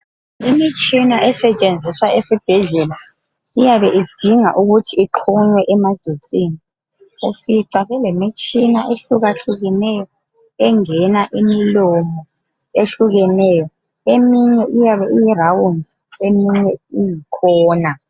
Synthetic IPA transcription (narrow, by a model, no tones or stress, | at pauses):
imit͡ʃʼinaʔɛsɛt͡ʃʼend͡zʱiswaesib̥ʱɛɮɛla | ijaβɛʔid̥ʱiŋa̰ʔuɣutʰiːǁʰuɲwɛʔɛmaɡ̥ʱet͡sʼiːni | ufiǀaβɛlemit͡ʃʼinaʔeɬuɣaɬuɣɛnɛjɔ | ɛŋɛnaʔimilomɔ | eɬuɣɛnɛjɔ | emiɲɛʔijaβɛʔijirawund͡ziemiɲɛijikʰɔːna